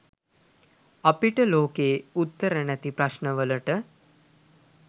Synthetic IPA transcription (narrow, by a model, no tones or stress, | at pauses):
apiʈəloːkeːut̪ːəɾənæt̪ipɾaʃnəʋələʈə